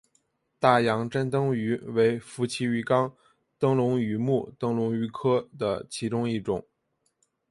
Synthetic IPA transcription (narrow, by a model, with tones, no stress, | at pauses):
t̪a˥˩jɑ˧˥ŋʈ͡ʂa˥nt̪ɤ˥ŋy˧˥we˧˥ɪfu˧˥t͡ɕʰi˧˥y˧˥kɑ˥ŋ | t̪ɤ˥ŋlʊ˧˥ŋy˧˥mu˥˩t̪ɤ˥ŋlʊ˧˥ŋy˧˥kʰɤ˥d̪ə̰˨t͡ɕʰi˧˥ʈ͡ʂʊ˥ŋi˥˩ʈ͡ʂʊ̰˨˩˦ŋ